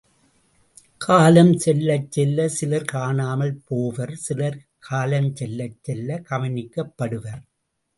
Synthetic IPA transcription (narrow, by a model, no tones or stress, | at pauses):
kʰaːlɐmt͡ʃɛlːɐt͡ʃːɛlːɐsɪlɐɾkaːɳaːmɐlpoːʋɐɾsɪlɐɾ | kʰaːlɐmt͡ʃɛlːɐt͡ʃːɛlːɐkɐʋɐnɪkːɐpːɐɽɯʋɐɾ